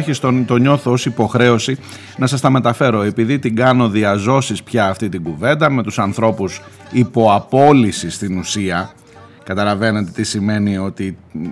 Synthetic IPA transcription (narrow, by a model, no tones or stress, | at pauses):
çist̪o̞nt̪o̞ɲo̞θoosipo̞xɾe̞o̞si | nɐsɐst̪ɐme̞t̪ɐfe̞ɾo̞e̞piðit̪iɡɐno̞ðiɐzo̞sispçɐːft̪it̪iɡuve̞nd̪ɐme̞t̪usɐnθɾo̞pusipo̞ɐpo̞lisist̪inusiɐ | kɐt̪ɐlɐve̞net̪e̞t̪isime̞nio̞t̪i